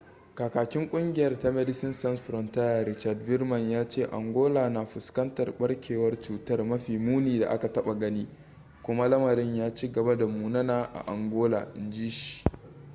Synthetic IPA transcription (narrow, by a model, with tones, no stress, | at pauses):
kaː˨kaː˨kʲɪ˦ŋkʷʼʊ˦ŋɡʲɪ˦jɐ˦rta˦mɛ˦dɪ˦sɪ˦nsɐ˦nsɸɾɔ˨nta˦ja˨ɾɪ˦t͡ʃa˨rdbɪ˦rmɐ˨ɲjaː˦t͡ʃeː˦˨ʔa̰˨ŋɡʷoː˦laː˨naː˨ɸʊ˨skɐ˦ntɐ˨rɓɐ˦ɽkʲʰeː˨wɐ˦rt͡ʃuː˨tɐ˦rmɐ˦ɸiː˨muː˦niː˨da̰˨ʔa˦ka˨tɐ˦ɓa˨ɡɐ˦niː˦ | kʷʊ˦ma˦lɐ˦mɐ˨ɾɪ˦ɲjaː˦t͡ʃi˦ɡɐ˨ba˦da˨muː˨nɐ˦naː˨ʔa̰˨ʔa˨ŋɡʷoː˦la̰ː˨ʔɪ˨nd͡ʒiː˦ʃi̥˨